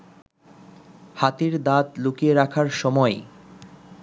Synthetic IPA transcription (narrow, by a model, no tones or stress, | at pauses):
hat̪iɾd̪at̪lukieɾakʰaɾʃɔmɔe